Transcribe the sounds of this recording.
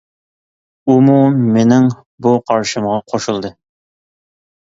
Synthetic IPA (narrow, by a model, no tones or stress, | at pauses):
umumenɪŋ | buqʰɑɾʃɨmʁɑqʰoʃulˠd̪ɨ